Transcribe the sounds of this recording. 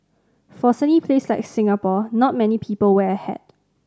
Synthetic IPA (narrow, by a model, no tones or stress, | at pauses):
fɔsɛnipʰleslaɪksɪ̃ŋapɔnɔt̚mɛnipʰiːpəlwɛəhɛ̰d̥̚